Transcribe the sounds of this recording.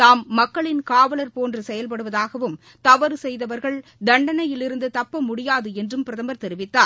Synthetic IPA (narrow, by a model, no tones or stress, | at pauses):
t̪aːmːɐkːɐɭɪnkaːʋɐlɐɾpoːndrɯsɛjɐlp̬ɐɽɯʋɐðaːɣɐʋɯm | t̪ɐʋɐɾɯsɛjðɐʋɐɾɣɐɭd̪ɐɳɖɐnɐjɪlɪɾɯnd̪ɯt̪ɐpːɐmʊɽɪjaːðɯɛndrɯmpɪɾɐðɐmɐɾt̪ɛɾɪʋɪt̪ːaːɾ